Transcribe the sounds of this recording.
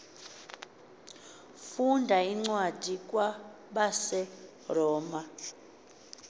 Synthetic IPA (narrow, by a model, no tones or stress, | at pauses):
fundʱaiŋ͡ǀwad̥ʱikʼwa | ɓasɛ | rɔːma